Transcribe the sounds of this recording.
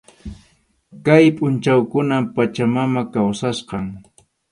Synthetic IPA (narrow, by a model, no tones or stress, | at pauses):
kajpʼʊnt͡ʃawkʊnampat͡ʃamamakawsasqɑŋ